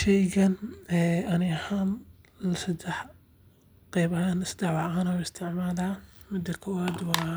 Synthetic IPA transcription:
ʃɛjɣɐnɛʔɐnɪhaːnlɐsɐd̪ɛħ | qɛjβɐhaːnɪsd̪̥ɛʕwɑʕaːnɐwɪst̪ʰɪʕmaːlaːmɪd̪ɐkʰɔwaːd̪wɑː

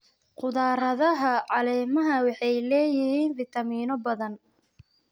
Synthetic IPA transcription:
qʊðaːɾɐðɐɦɐʕɑlɛːmɐɦɐwɑħɑjlɛːjɪhiːnfit̪ʰɐmiːnɔbɐðɐn

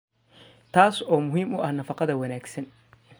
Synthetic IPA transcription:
t̪ʰaːsɔːmʊɦiːmʔʊʔɐhnɐfɑqɑðɐwɐnaːɡsɐn

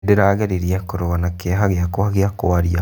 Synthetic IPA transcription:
deɾaːɣeɾiɾjakoɾoɣanakeɦaɣeakwaɣeakoaɾia

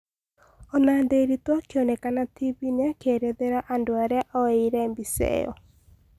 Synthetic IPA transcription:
ɔnandeɾitwɔkjɔnɛkanatibineakeɾeðeɾaʔandoaɾɛaʔɔeiɾɛmbisɛ̰ɔ̰

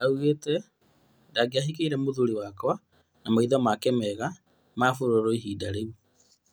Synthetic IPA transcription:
auɣeːtɛ | daːɡeaɦik̬eiɾɛmoðuɾiwaːkwa | namaiðɔmakɛmɛɣa | maːfoɾoɾoiɦiːdaɾeu

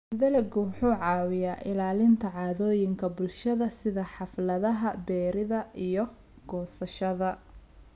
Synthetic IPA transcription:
ðɐlɛɡʊwʊħuːʕɑːwɪjaːʔɪlaːlɪnt̪ʰɐʕɑːðɔːjɪŋkʰɐbʊlʃɐðɐsɪðɐħɑflɐðɐɦɐbɛːɾɪðɐʔijɔ | ɡ̥ɔːsɐʃɐðɐ

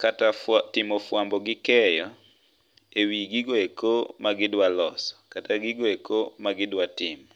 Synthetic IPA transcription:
katatɪmɔfwambɔɡɪkɛjɔ | ewiɡiɡoekomaɡɪdwalɔsɔ̥kataɡiɡoekomaɡɪdwatɪmɔ

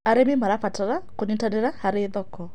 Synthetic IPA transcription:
aɾemimaɾafataɾakonitaneɾahaɾeðɔkɔ

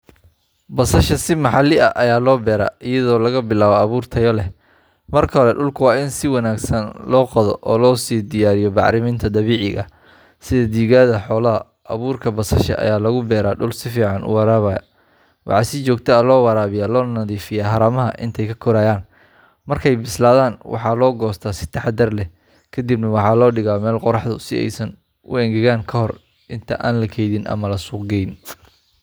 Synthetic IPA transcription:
bɐsɐʃɐsɪmɑħɑlɪʔɐʔɐjaːlɔːbɛːɾa̰ːʔɪjɐðɔːlɐɣɐbɪlaːβɔɐβuːrt̪ʰɐjɔlɛ | mɐrkʰɐɦɔlɛɖʊlkʰʊwɑːɪnsɪwɑnaːɡsɐnlɔːqɑðɔʔɔːlɔːsiːd̪ɪjaːɾɪjɔbɑʕɾɪmiːnt̪ʰɐd̪ɐβiːʕɪ̰ɣɐ̰ | sɪðɐd̪iːɣaːðɐħɔːlɐɦɐ | ɐ̰βuːrkʰɐbɐsɐʃɐ̰ʔɐ̰jaːlɐɣʊbɛːɾaːɖʊlsɪfiːʕɑnʔʊ̰wɑɾaːβɐjɐ̰ | wʔɑ̰ħɑsɪt͡ʃɔːɡt̪ʰɐɐlɔːwɑɾaːβɪjaːlɔːnɐðiːfɪjaːɦɐɾɐmɐɦɐʔɪ̰nt̪ʰɛjkʰɐkʰɔɾaːjaːn | mɐrkʰɛjbɪslaːðaːnwʔɑ̰ħɑːlɔːɡɔːst̪ʰasɪ̥t̪ʰɑħɑd̪ɐrlɛ | kʰɐd̪ibnɐwɑħɑːlɔːɖɪɣaːmɛːlqɔɾɑħd̪ʊsɪ̰ɛ̰jsɐn | ʊ̰ɛŋɡɛɣaːŋkʰɐhɔr | ʔɪnt̪ʰɐʔa̰ːnlɐkʰɛjðɪnʔɐ̰mɐlɐsuːqɡɛjn

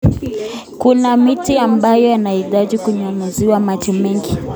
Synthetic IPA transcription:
kunamitiambajɔanahitaʄikuɲamuziwamat͡ʃɔmɛŋɡi

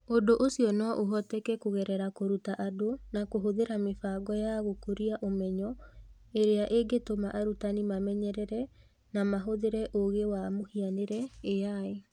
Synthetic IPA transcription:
odoʔosiɔnɔʔoɦɔtɛkɛkoɣɛɾɛɾakoɾutaʔadonakoɦoðeɾamefaɡɔjaɣokoɾiaʔomɛɲɔ | eɾeaʔeɡetomaʔaɾutanimamɛɲɛɾɛɾɛ | namaɦoðeɾɛʔoɣewamohianeɾɛejae

